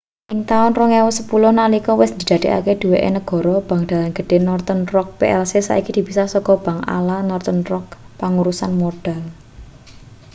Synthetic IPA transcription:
ʔɪŋt̪aʊnrɔŋewʊsəpulʊhnalikɔwɪsd̪d̪id̪̥a̤d̪̥e̤ʔa̰ked̪̥uweʔḛnəɡ̥ɔ̤ɾɔb̥a̤ŋd̪̥a̤lanɡ̥ə̤ɖ̥e̤nɔrt̪ənrɔk̚peʔɛlsesa̰ʔikid̪̥i̤b̥isasɔkɔb̥aŋʔa̰lanɔrt̪ənrɔk̚ | paŋuɾusanmoɖ̥al

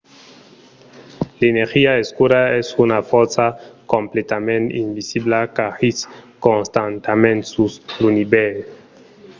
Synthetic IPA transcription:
leneɾxiaeskuɾaɛsunafɔɾsakomplet̪amẽnt̪ḭmbisiblakaxiskõnst̪ant̪amẽnsuslunibɛl

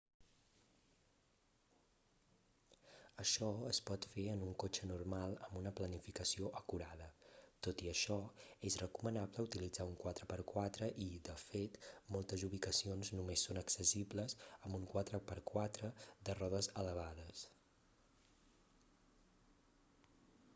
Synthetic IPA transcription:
əʃɔəspɔt̪feənuŋkot͡ʃənurmalˠəmbunəplənifikəsioʔəkuɾað̞ət̪ot̪iəʃɔezrəkumənabləut̪ilid͡zauŋkwat̪ɾəpəɾkwat̪ɾəʔid̪əfet̪molˠt̪əzuβ̞ikəsionznumesːonəksəsibləzəmbuŋkwat̪ɾəpəɾkwat̪ɾəd̪ərɔðəzələβ̞aðəs

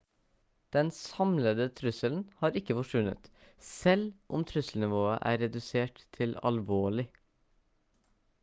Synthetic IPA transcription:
d̪̥ɛnsɑmləd̪ət̪ʰɾʉsəln̩hɑːɾɪkːəfɔʂʋʉnə̰t̪sɛlʔʊmt̪ʰɾʉsl̩nɪʋoːəʔæ̰ːɾɛd̪ʉseːʈt̪ʰːɪlɑ̰lʋoːɭɪ

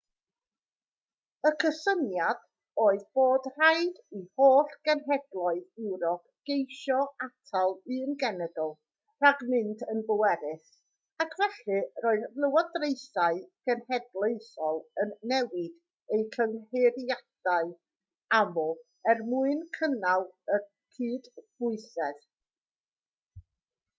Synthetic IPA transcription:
əkʰəsənjad̥ | oːɨðboːdr̥ajdihoːɬɡ̥ɛnɦɛdlˠɔɨðɪwɾɔpʰ | ɡ̥ejʃɔatʰalˠɨənɡɛnɛdɔlˠ | raɡmɪndʰənbəwɛɾɪθ | akʰvɛɬɨroːɨðlˠəwɔdrejsaɨɡ̥ɛnhɛdlˠejsɔlˠənːɛwɪd̥ | ejt͡ɬʰəŋheɾjad̥aɨ | amɔ | ɛrmuɨnkʰənalˠə | kʰiːd̥v̥ʊɨsɛð

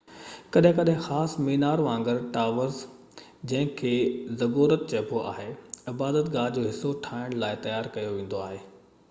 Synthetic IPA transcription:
kɐɗɦɪ̃kɐɗɦɪ̃xaːsmeːnaːɾʋãːŋɡəɾʈaːʋəɾz | d͡ʑɐ̃ɦɪ̃kʰeːzɐɡoːɾət̪̚t͡ɕɐːpʰoʔa̰ːɦeɪbaːd̪ət̪ɡaːld͡ʑoːɦɪsːoʈʰaːɪɽ̃laːɪt̪ɐjaːɾkɐjoʋĩːn̆d̪oaːɦeː

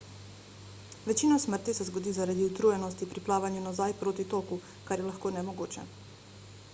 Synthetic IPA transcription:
ʋɛt͡ʃiːnɔsməɾt̪isɛzɡɔd̪iːzaɾaːd̪iut̪ɾujɛnɔst̪ipɾiplaːʋanjunɔzajpɾoːt̪it̪oːku | kaɾjɛlaxkoːnɛmɔɡoːt͡ʃɛ̰

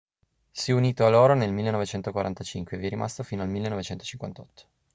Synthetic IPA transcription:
sjiɛuniːt̪oaloːɾonelmilːenovet͡ʃɛnt̪okwaɾʔa̰nt̪at͡ʃiŋkweeviɛɾimʔa̰st̪ofiːnoalmilːenɔvet͡ʃɛnt̪o̥t͡ʃiŋkwa̰nt̪ʰɔt̪ːo̥

